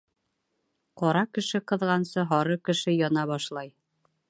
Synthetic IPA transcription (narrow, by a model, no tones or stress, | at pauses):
qɒɾɑkɘ̆ʃɘqɤ̆ðʁɑnsɤɦɒɾɤkɘ̆ʃɘjɒnɑβɒʃlˠɑj